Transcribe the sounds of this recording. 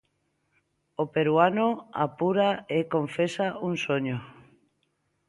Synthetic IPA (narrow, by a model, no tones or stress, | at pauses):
opeɾwanoa̰puɾaekoɱfesauŋsoɲo